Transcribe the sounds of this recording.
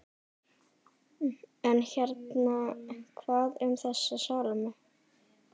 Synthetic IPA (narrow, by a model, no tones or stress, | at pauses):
ɛnçɛɾt̪nakʰvaːðʏmθɛsːasawlmʏ